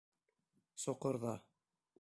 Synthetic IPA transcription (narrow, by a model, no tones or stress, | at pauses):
sŏqɤ̆ɾðɑ